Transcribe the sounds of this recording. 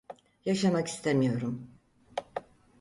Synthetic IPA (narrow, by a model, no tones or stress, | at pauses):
jaʃamaki̥st̪ʰemijo̞ɾum